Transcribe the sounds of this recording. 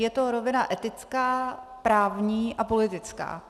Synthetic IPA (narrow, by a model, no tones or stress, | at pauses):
jɛt̪o̞ɾo̞vɪnaʔɛt̪ɪt͡skaːpɾaːvɲiːʔapo̞lɪt̪ɪt͡ska̰ː